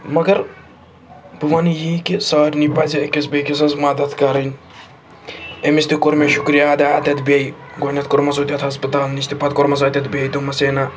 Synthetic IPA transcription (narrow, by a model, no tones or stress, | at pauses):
mɐɡɐɾ | buʋɐnijikisaːɾʲnipɐziekʲesbʲejkis̬ɐnsmɐd̪ɐt̪ʰkɐɾinʲ | emist̪ikoɾmʲeʃukɾijad̪ɐɐt̪ʲɐt̪bej | ɡonʲɐt̪koɾmɐsoːt̪ʲjɐt̪ʰɦɐspɐt̪aːlnist̪ipɐt̪koɾmɐsaːt̪ʲɐt̪bʲejt̪omɐseːna